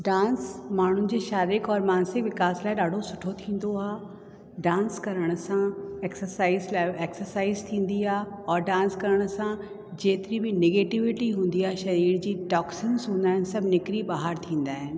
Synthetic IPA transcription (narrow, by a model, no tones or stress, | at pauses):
ɖãːnsmaːɳ̤ʊnɪ̆d͡ʑeːʃaːɾɪkɔːɾmaːnsɪkʋɪkaːslaːɪɗaːɖʱosʊʈʰot̪ʰĩːn̆d̪oaː | ɖãːnskɐɾəɽ̃ʊ̆sãeːksəɾsaːɪzlaːɪeːksəɾsaːɪzt̪ʰĩːn̆d̪iaːɔːɾɖãːnskɐɾəɽ̃̆sã | d͡ʑeːt̪ɪɾibɪneːɡeːʈɪʋɪʈiɦũːn̆d̪iaːʃɐɾiːɾd͡ʑiːʈɔːksɪnzɦũːnd̪aːɦɪnɪ̆sɐbʱnɪkɾiɓaːɦaɾt̪ʰĩːn̆d̪aːɦɪnɪ̆